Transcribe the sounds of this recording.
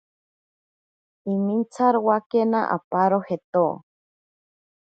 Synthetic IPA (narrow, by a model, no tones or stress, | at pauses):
imint͡sʰaɾwakenaʔa̰paɾohet̪o